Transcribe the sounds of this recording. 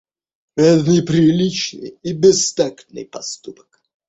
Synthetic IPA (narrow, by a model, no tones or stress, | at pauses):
ɾaznɨjpɾʲɪlʲit͡ɕnɨ̰jibʲɪst̪aknɨ̰jpɐst̪upə̥k